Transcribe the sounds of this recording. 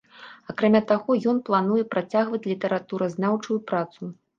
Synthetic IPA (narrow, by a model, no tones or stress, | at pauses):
akɾamʲat̪aɣɔjɔnplˠanujɛpɾat͡sʲaɣvɐt͡sʲlʲit̪ɐɾat̪uɾɐznawt͡ʂujupɾat̪su